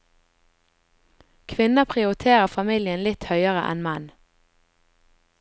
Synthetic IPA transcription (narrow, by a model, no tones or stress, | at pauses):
kʰʋɪnəpʰʁɪʊʁɪt̪ʰeːʁəfɑmiːljənlɪt̪hœʏəʁə̰ʔɛ̰nmɑn